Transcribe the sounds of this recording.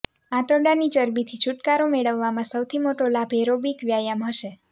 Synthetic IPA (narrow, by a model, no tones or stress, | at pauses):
ãt̪əɖanit͡ʃəɾbit̪ʰit͡ʃʰuʈkaɾomeɭəʋːamãsəwt̪ʰimoʈolabʱeɾobikʋjajamɦəʃe